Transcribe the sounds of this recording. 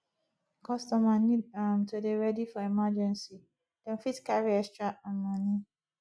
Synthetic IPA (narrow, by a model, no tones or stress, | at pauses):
kʰɔstɔmanĩdamtʰudeɹɛdifɔɛmad͡ʒɛ̃nsi | d̥ɛ̃nfitkaɹiɛstɹaãnmãnĩ